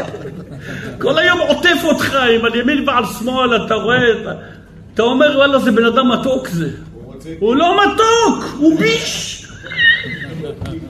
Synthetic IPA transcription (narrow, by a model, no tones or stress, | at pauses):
kʊlːajːoːmʕʊt̪ˤːifut̪xaːjɪmaljamiːnbaʕlsmolat̪aɣet̪ | t̪ameɾwalːazebnad̪amat̪okze | wlomat̪okwbiʃ